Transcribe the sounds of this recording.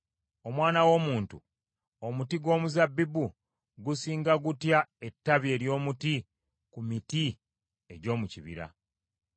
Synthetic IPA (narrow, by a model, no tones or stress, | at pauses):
o̞mwaːnawo̞ːmuːntṵ | omutiɡwo̞ːmuzabːibu | ɡusiːŋɡaɡutjae̞tːaβje̞ːɾjo̞ːmuti | kumiti | e̞ɟo̞ːmuciβḭɾa̰